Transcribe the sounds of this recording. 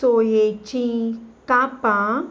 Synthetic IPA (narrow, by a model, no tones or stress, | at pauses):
ojet͡ʃĩkapã